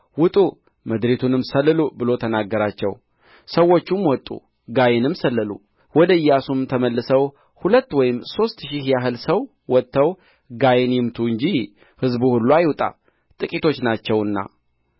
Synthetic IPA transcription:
wʊt̪ʼu | məd̪ɾet̪ʰunɨmsəlːɨlubɨlo̞t̪ʰənaɡːəɾat͡ʃːɛ̰w | səwːo̞t͡ʃːumwɔt̪ʼːṵ | ɡajenɨmsəlːɨlṵ | wɔd̪əɨjːasumt̪ʰəməlːɨsəw | hulət̪ːwɔjɪmso̞st̪ʃihjaɦɨlsəw | wɔt̪ːəw | ɡajenjɪmt̪ʰuɨɲd͡ʒi | hɨzbuhulːuajwt̪ʼa̰ | t̪ʼɨkʼit̪ʰo̞t͡ʃːnat͡ʃːɛwɨnːa̰

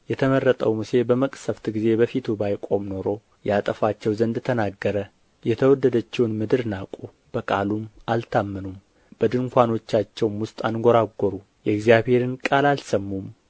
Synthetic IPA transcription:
jɛt̪ʰəmərːət̪ʼəwmuse̞bəməkʼsəft̪ɡize̞bəfit̪ʰubajkʼo̞mno̞ɾo̞ | jat̪ʼəfat͡ʃːɛwzənd̪t̪ʰənaɡːəɾə | jɛt̪ʰəwɔd̪ːəd̪ət͡ʃːɛwnmɨd̪ɨɾnakʼu | b̥əkʼalumalt̪ʰamːɨnum | b̥əd̪ɨŋkʷano̞t͡ʃːat͡ʃːɛwmwʊst̪ʼanɡoɾaɡʷːoɾu | jɛɡzjaβhe̞ɾɨnkʼalalsəmːum

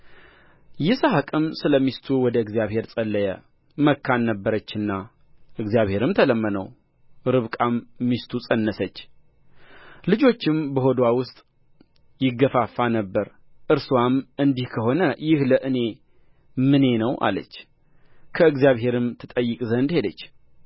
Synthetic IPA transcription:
jɪsaɦakʼɨmsɨləmist̪ʰuwɔd̪əɨɡzijaβhe̞ɾsʼəlːəjə̰ | məkʰːanːəbːəɾət͡ʃːɨnːa | ʔɨɡzjaβhe̞ɾɨmt̪ʰələmːənə̰w | ɾɨβkʼamːist̪ʰusʼənːəsət͡ʃː | lɨd͡ʒo̞t͡ʃːɪmbəɦo̞d̪wawʊst̪ʼ | jɪɡːəfafːanəbːəɾ | ʔɨɾsuwamʔɨnd̪ihkʰəɦo̞nəjɪhləʔɨne̞ | mɨne̞nəwʔa̰lə̰t͡ʃː | kʰəɨɡzijaβɦe̞ɾɨmt̪ʰɨt̪ʼəjːɨkʼzənd̪he̞d̪ət͡ʃː

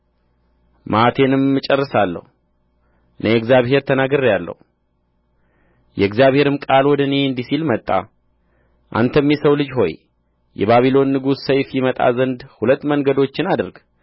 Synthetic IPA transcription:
mʔat̪ʰe̞nɨmːɨt͡ʃʼɛrːɨsalːə̰hu | nʔəjɛɡzjaβhe̞ɾt̪ʰənaɡəɾjalːə̰hu | jɛɡzijaβhe̞ɾɨmkʼalwɔd̪əneɨnd̪isilmət̪ʼːa̰ | ʔa̰nt̪ʰəmjɛsəwlɨd͡ʒɦo̞j | jɛ̰βaβilo̞nːɨɡusːəjfjɪmət̪ʼa̰zənd̪hulət̪ːməŋɡəd̪o̞t͡ʃːɪnad̪ɨɾɡ

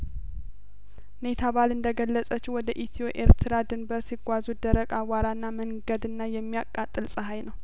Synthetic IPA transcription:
ne̞t̪ʰaβalɨnd̪əɡəlːəsʼət͡ʃːiwɔd̪əʔit̪ʰio̞ʔe̞ɾt̪ʰɨɾad̪ɨnbəɾsiɡʷazud̪əɾəkʼawaɾanːaməŋɡəd̪ɨnːajɛmːijakʼːat̪ʼːɨlsʼəɦajnəw

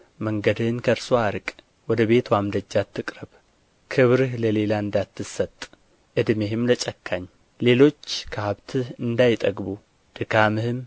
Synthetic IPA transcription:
məŋɡəd̪ɨhɨnkʰəɾsoaɾɨkʼ | wɔd̪əβe̞t̪wamd̪ɐd͡ʒːat̪ːɨkʼɾɐb | kʰɨβɾɨhləle̞laɨnd̪at̪ːɨsːɐt̪ʼ | ʔɨd̪mehɪmlət͡ʃʼɐkʰːaɲː | le̞lo̞t͡ʃːkʰɐhaβt̪ʰɨhɨnd̪ajɪt̪ʼɐɡbu | d̪̥ɨkʰamɨhɨm

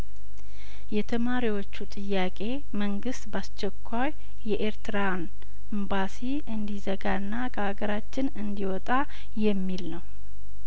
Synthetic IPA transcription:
jɛt̪ʰəmaɾiwo̞t͡ʃːut̪ʼɨjːakʼe̞ | məŋɡɨst̪bast͡ʃːɛkʰʷːaj | jɛʔeɾt̪ɨɾan | ɨmbasi | ɨnd̪izəɡaɨnːakʰəhaɡəɾat͡ʃːɪnɨnd̪iwɔt̪ʼa | jɛmːilnəw

